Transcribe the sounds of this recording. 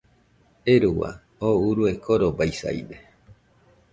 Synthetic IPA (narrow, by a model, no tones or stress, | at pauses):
eɾuwa̰ | ouɾuekʰoɾobajsa̰jde